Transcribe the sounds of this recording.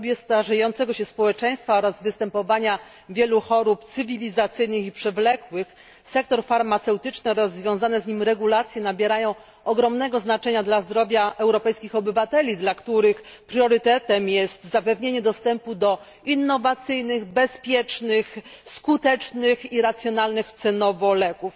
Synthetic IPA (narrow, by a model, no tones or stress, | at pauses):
bʲjɛst̪aʐɛjɔnt̪sɛɡɔɕɛspɔwɛt͡ʂɛ̃j̃st̪faɔɾazvɘst̪ɛmpɔvaɲa | vʲjɛluxɔɾupt̪sɘvʲilʲizat̪sɘjnɘxipʂɛvlɛkwɘx | sɛk̚t̪ɔɾfaɾmat̪sɛwt̪ɘt͡ʂnɛɾɔzvʲjɔ̃w̃zanɛzɲimɾɛɡulat̪sʲjɛnabʲjeɾajɔ̃w̃ | ɔɡɾɔmnɛɡɔznat͡ʂɛɲad̪lazd̪ɾɔvʲjaɛwɾɔpɛjskʲixɔbɘvat̪ɛlʲid̪lakt̪uɾɘxpɾjɔɾɘt̪ɛt̪ɛmjɛst̪zapɛvɲeɲɛd̪ɔst̪ɛmpud̪ɔ | inːɔvat̪sɘjnɘɣbɛspʲjɛt͡ʂnɘxskut̪ɛt͡ʂnɘxiɾat̪sʲjɔnalnɘxt̪sɛnɔvɔlɛkuf